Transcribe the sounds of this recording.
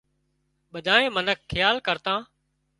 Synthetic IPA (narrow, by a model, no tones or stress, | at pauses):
ɓəd̪ʱaːẽːmənəkʰːɪjaːlkəɾt̪ãː